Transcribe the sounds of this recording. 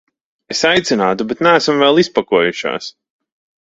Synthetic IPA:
esajt̪sinaːt̪ubet̪næːsamvɛlˠispakuɔjuʃa̰ːs

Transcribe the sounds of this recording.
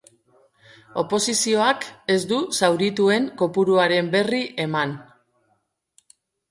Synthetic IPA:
o̞po̞sisio̞ake̞zd̪usawɾit̪ue̞ŋko̞puɾuaɾe̞mbe̞riʔe̞man

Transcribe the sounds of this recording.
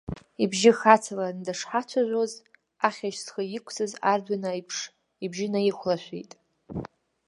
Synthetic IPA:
ibʒɪxat͡sʰalandaʂħat͡ʃʷʰaʒʷoz | aχʲaʃsχəjɪkʷʰt͡sʰʼɨzardʷanajpʰʂ | ibʒɪnajiχʷlaʃʷᶣḭtʼ

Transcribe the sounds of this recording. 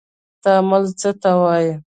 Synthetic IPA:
t̪amalt͡sət̪awɑjə

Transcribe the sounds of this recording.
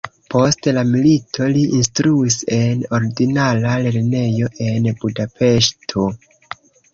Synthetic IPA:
po̞stlamilitʰo̞liʔinstɾuise̞no̞ɾiɡinalale̞ɾne̞jo̞ʔe̞nbudape̞ʃtʰo̞

